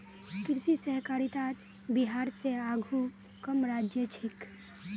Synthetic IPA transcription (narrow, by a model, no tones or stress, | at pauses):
kɾsisəɦkaɾit̪at̪ | biɦaːɾseaɡʱu | kəmɾaːd͡ʒjət͡ʃʰɪk